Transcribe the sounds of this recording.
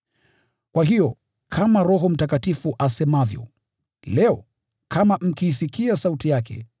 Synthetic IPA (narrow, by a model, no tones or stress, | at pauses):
kwaɦijɔ | kʰamaɾɔɦɔm̩takatifuʔasɛmavjɔ̰ | lɛɔ | kʰamam̩kiːsikiasautijakɛ̰